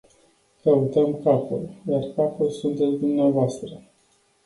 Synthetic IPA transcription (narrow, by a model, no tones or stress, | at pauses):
kəut̪əmkapṵljarkapulsunt̪etsd̪umneavoast̪ɾə